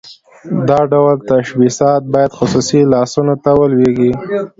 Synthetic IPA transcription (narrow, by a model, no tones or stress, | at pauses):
d̪ɑɖawlt̪aʃwisɑt̪̚bɑjad̪xʊsusilɑsunat̪awəlweɡi